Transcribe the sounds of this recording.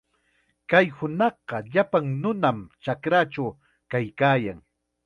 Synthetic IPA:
kajhʊnɑχɢɑʎapaŋnʊnamt͡ʃakɾat͡ʃaw | kajkaːjaŋ

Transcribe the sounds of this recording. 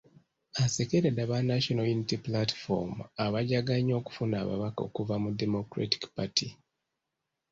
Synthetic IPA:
asekeɾedaβanaʃonainitiplatfo̰maβaɟaɡaɲːo̞ːku̥funaːβa̰βako̞̰ːkuvamudemokɾa̰ti̥kpatʰi

